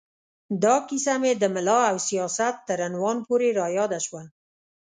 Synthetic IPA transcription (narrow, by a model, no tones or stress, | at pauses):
d̪ɑkisamed̪əmɪlɑawsijɑsat̪ːəɾanwɑnpoɾeɾɑjɑd̪aʃwa